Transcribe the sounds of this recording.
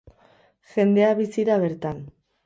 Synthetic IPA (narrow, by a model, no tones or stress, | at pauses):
ʝe̞nd̪e̞aβisiɾaβ̞e̞ɾt̪an